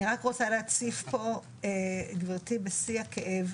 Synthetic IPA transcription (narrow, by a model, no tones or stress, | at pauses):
niʁakʁot͡saleat͡sifpo̞ | eɡviʁtibesiakʰeʔev